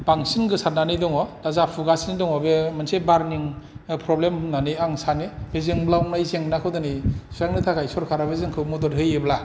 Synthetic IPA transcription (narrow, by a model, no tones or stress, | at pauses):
b̥aŋsinɡɯsat̚nanidɔŋɔdazapʰuɡasinidɔŋɔbemɯnsebaɾniŋpʰɾɔblemnaniaŋsanibezeŋblawnajzeŋnakʰɯwdɯnisujaŋnɯtʰakʰajsɔɾkʰaɾabezɯŋkʰɯwmudɔɾɦɯjebla